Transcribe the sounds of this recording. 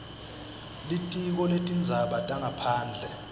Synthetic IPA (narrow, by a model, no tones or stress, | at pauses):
litʼik̬ɔletʼind͡zʱaɓatʼaŋʱapʰaːnd͡ɮʱɛ